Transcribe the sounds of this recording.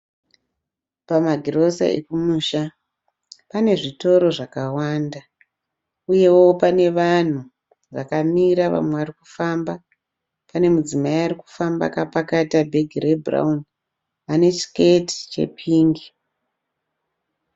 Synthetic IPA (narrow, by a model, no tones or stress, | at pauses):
pamaɡʱiro̞sa̰ḛkumuːʃa | pane̞ʐito̞ɾo̞ʐakawaːnda | uje̞wo̞wopane̞ʋan̤u | ʋakamiɾaʋa̰mwe̞ʋariku̥famba | pane̞mud͡zimaiariku̥famba̰kapakatabʱe̞ɡʱire̞bʱra̰un | ane̞t͡ʃi̥ke̞ti̥t͡ʃe̞̰pʰiːŋɡi